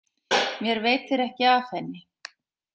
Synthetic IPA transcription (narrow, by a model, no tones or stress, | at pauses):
mjɛɾveːjt̪ɪɾɛhcɪaθɛnːɪ